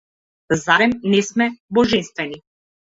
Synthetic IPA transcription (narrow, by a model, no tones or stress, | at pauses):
zaɾɛmnɛsmɛbɔʒɛnst̪vɛni